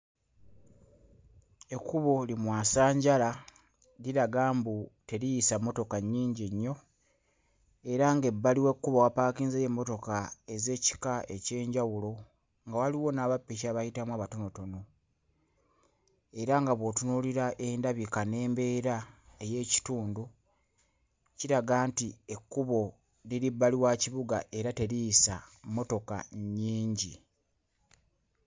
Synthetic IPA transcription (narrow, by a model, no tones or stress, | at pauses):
e̞kːuβolimwaːsaːɲɟala | liɾaɡaːmbute̞ɾijisamːo̞to̞kaɲːiːɲɟiɲːo̞ | e̞ɾaŋɡe̞bːaliwekːuβawapaːkiːnzejemːo̞to̞kae̞ze̞ːci̥kae̞ce̞ːɲɟawulo̞ | ŋɡawaliwo̞naːβapːiʃ̬aːβajitamwaːβato̞no̞to̞no̞ | e̞ɾaŋɡaβwo̞tunuliɾaʔendaβikane̞ːmbe̞ɾae̞je̞ːci̥tuːndu | ciɾaɡaːntie̞kːuβo̞ | liɾibːaliwaːciβuɡa̰ʔe̞ɾate̞ɾijisamːo̞to̞ka̰ɲːiːɲɟḭ